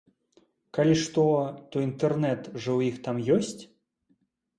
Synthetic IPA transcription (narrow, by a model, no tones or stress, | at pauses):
kalʲiʂt̪ɔt̪ɔint̪ɛrnɛt̪ʐɐwjixt̪amjɔsʲt͡sʲ